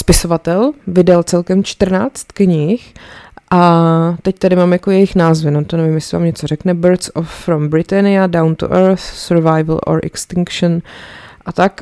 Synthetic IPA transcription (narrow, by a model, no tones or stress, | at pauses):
spɪso̞vat̪ɛlvɪdalt͡sɛlkɛmt͡ʃt̪r̩naːt͡st̪kɲɪxʔat̪ɛct̪adɪmaːmjakojɛjɪxnaːzvɪnot̪onɛvɪmjɛsɪva̰ːmɲɛt͡sorɛknɛbəɾsofːɾombɾɪt̪ɛnɪadawnt̪ṵʔɛɾθsɛɾvajvl̩ʔo̰ɾʔɛ̰kst̪ɪŋkʃonʔat̪ak